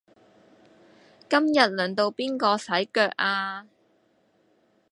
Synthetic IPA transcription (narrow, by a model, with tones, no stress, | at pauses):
kɐ˥mjɐ˨t̚lœː˨˩ŋt̪o˧wpiː˥nkɔː˧sɐ˨˥jkœː˧k̚ʔaː˧